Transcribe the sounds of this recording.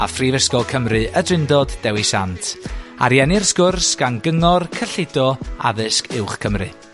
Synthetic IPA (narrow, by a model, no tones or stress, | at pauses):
a̰friːvəskɔlˠkʰəmrɨʔədrɪndɔd̥ːɛwisa̰ntʰa̰ɾjɛnɪrsɡʊrsɡ̥anɡəŋɔrkʰəɬɪdɔa̰ðɨskʰɪwχkʰəmrɨ